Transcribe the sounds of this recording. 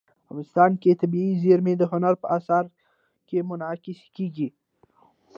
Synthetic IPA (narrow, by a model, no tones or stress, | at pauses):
amɪst̪ɑnket̪abiizeɾmed̪əɦʊnaɾpəasaɾ | kemʊnɑkɪskeɡi